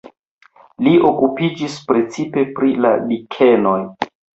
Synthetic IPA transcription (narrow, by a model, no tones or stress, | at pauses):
liokupid͡ʒispɾe̞t͡sipe̞pɾila̰bikʰe̞no̞j